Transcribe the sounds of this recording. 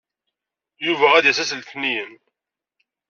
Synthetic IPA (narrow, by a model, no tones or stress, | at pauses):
juvææd̪jæsæsəlθnijəm